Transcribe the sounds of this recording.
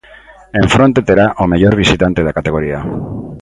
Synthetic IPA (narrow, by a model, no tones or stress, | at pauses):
eɱfɾont̪et̪eɾaʔomeʎoɾβ̞isit̪ant̪eð̞akat̪eɣoɾia